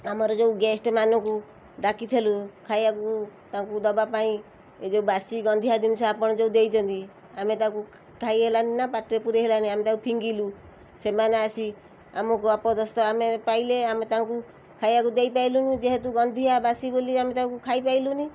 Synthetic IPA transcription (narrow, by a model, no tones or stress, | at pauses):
amɔɾɔd͡ʒeuɡesʈmanɔku | ɖakit̪ʰelukʰajakut̪akud̪ɔbapaĩ | ed͡ʒeubasiɡɔnd̪ʱiad̪insɔapɔɽ̃ɔd͡ʒeud̪ejt͡ʃʰɔnt̪i | amet̪aku | kʰaiɦelaninapaʈɾepuɾeɦelaniamet̪akupʰiŋɡilu | semaneasi | amɔkuapɔd̪ɔst̪ɔamepaileamet̪aŋku | kʰajakud̪ejpailunid͡ʒeɦet̪uɡɔnd̪ʱiabasiboliamet̪akukʰaipailuni